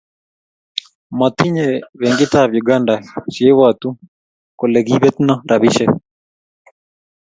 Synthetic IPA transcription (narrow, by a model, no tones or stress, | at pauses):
mɔt̪iɲeweŋɡɪt̪abjuɡandaʃiewat̪u | koleɡibet̪nɔɾabɪʃɛ